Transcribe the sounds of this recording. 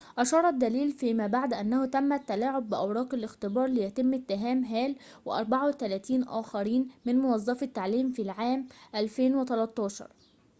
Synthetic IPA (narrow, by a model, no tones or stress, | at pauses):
ʔɑʃɑːɾˤɑd̪ːæliːlfiːmæːbaʕd̪ʔænːæhut̪æmːæt̪ːælaːʕobːɪʔæwɾˤɑːqɪlʔɪxt̪ɪbɑːɾˤlɪjæt̪ɪmːɪt̪ːɪɦæːmɦæːl | wɪ̰ʔɑ̰ɾˤbaʕawɪt̪ælæːt̪iːnʔæ̰ːxɑɾiːnmɪnmʊwɑzˤːɑfɪt̪ːaʕliːmfiːlʕaːmʔælfeːnwɪt̪ælɑt̪ˤːɑːʃɑ̰ɾˤ